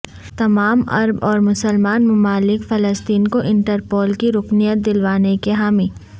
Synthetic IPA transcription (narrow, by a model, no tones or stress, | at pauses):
t̪ɐmaːmɐ̰ɾbɔːɾmʊsəlmaːnmʊmaːlɪkfɐləst̪iːnkoʔɪ̃ɳʈəɾpoːlkiɾʊknijət̪̚d̪ɪlʋaːnekeɦaːmiː